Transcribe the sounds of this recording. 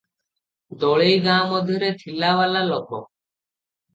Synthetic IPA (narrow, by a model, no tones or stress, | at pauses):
d̪oːɭejɡãːmɔd̪ʱiɾeːt̪ʰilaːʋaːlaːlɔkʰoː